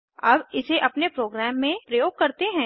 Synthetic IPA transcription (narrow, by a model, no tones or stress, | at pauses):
ɐbɪseʔɐpnepɾoːɡɾɛːmːẽpɾɐjoːɡ̚kɐɾt̪eɦɛ̃ː